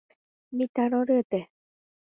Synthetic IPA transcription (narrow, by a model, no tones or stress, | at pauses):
mit̪aɾõɾɯt̪e